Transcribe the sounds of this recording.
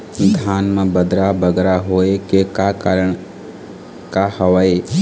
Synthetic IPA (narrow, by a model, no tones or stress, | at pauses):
d̪ʱjaːnmãbəd̪ɾabəɡ̪ɾaɦoːekekakːɾəɳ | kahəʋae